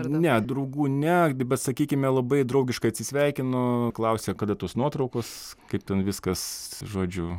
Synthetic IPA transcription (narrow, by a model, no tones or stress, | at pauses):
nʲɛd̪ɾɐʊɡuːnʲɛbʲɛt̪sɐkʲiːkʲɪmʲɛlˠɐbɐɪd̪ɾɐʊɡʲɪʃkɐɪɐt̪ʲsʲɪsʲʋʲɛɪkʲɪnoːklˠɐʊsʲeːkɐːd̪ɐt̪oːsnuɔt̪ɾɐʊkoskɐɪp̚tʲɛnʋʲɪskɐsʒoːd͡ʒʲʊ